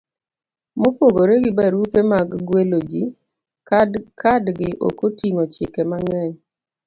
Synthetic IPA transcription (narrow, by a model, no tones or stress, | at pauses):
mopwoɡoɾeɡɪbaɾupemaɡɡwelod͡ʒi | kadɡɪʔo̰kotiŋot͡ʃɪkɛmaŋɛɲ